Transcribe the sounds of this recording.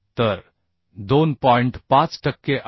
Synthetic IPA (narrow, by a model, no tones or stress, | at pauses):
t̪ɐɾ | d̪oːnpɔːɪ̃ɳʈpãːt͡ʃʈɐkːeʔ